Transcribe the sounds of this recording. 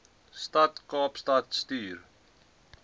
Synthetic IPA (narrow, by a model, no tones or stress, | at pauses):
statkɑːpstɐtstyːr